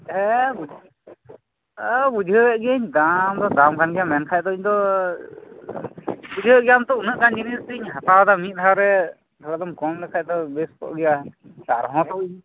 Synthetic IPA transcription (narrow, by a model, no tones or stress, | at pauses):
ɛbu | bud͡ʒʱəɛʔɡəɲd̪amd̪ɔd̪amkʰanɡɛjamɛnkʰaj̚t̪ɔiɲd̪ɔ | bud͡ʒʱiəʔɡɛjamt̪ɔunəʔkaɲd͡ʒinistiɲɦat̪aɦɔd̪amit̪̚ˀt̪ʰawɾɛ | d̪ɔlad̪ɔmkɔmdɛkʰac̚t̪ɔbeskɔ̰ʔɡɛjakaɾɦɔ̃t̪ɔiɲ